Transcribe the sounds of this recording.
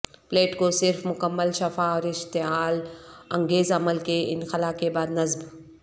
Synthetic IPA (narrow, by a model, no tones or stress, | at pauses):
pleːʈkosɪɾfmʊkəmːəlʃɐfaɔːɾɪʃt̪ɪɦaːlɐ̃ŋɡeːzɐməlkeɪ̰nxɐlaːkebaːd̪nɐzb